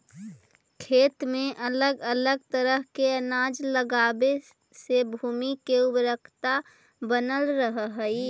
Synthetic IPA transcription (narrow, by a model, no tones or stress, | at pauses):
kʰeːt̪mẽʔələɡələɡ̚t̪əɾəɦkeənaːd͡ʒləɡaːbe | sebʱuːmikeʊbɾəkʰt̪a | bənəlɾəɦɦəi